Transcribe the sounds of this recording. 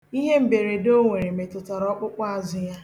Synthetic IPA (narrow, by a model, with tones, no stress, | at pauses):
i˦ɦe˦m̩˨be˨ɾe˨do˦ŋʷe˨ɾe˨me˨tʊ˨ta˨ɾɔ˦k͡pʊ˦k͡pɔ˦a˨zʊ˦ja˦